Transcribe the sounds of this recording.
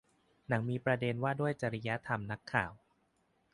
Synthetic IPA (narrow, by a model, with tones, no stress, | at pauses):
na˩˦ŋmiː˧pɾa˧de˧nwaː˥˩du˥˩əjt͡ɕa˨˩ɾa˦ja˦˥t̪ʰa˧mna˦˥kʰːaː˨˩˦w